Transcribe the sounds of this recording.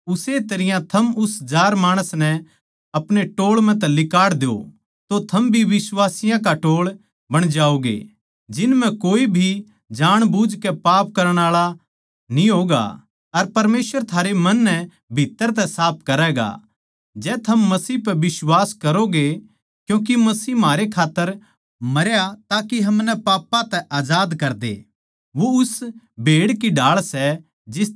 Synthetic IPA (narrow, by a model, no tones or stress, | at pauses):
ʊset̪ɐɾɪjãt̪ʰɐmʊsd͡ʒaːɾmaːɽ̃əsnɛ | ɐpɽ̃eʈoːɭmɛ̃t̪̬ɛlɪkaːɽd̪eo̰ | t̪ot̪ʰɐmbʱiʋɪswaːsɪjãk̬aʈoːɭ | bɐɽ̃d͡ʒaːoɡḛ | d͡ʒɪnmɛ̃koːibʱi | d͡ʒaːɽ̃bud͡ʒkɛpaːp̚kɐɾəɽ̃aːɭa | nĩɦoːɡa̰ | ɐɾpɐɾmeːsʋəɾt̪ʰaːɾemɐnːɛ | bʱit̪ːəɾt̪̬ɛsaːp̚ʰkɐɾɛːɡa̰ | d͡ʒɛːt̪ʰɐmːɐsiːpɛʋɪswaːskɐɾoɡe | kjũːk̬imɐsiːɦmɦaːɾekʰaːt̪ːəɾ | mɐɾjat̪aːkiɦɐmnɛpaːpːãt̪ɛʔaːd͡ʒaːd̪kɐɾd̪ḛ | ʋoʊsbʱeːɽkiɖaːɭsɛ | d͡ʒɪs